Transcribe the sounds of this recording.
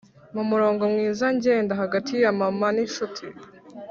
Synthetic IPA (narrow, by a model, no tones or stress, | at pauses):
mumuɾo̞ːŋɡo̞mŋiːzaɲɟeːndaɦaɡatʰijamamaniʃutʰi